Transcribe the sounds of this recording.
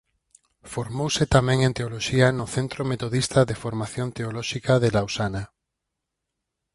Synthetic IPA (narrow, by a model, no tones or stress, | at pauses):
foɾmowsɪt̪amɛ̃ŋẽnt̪eoloʃianʊθent̪ɾomet̪oðist̪ɐðefoɾmaθjont̪eolɔʃikaðelawsana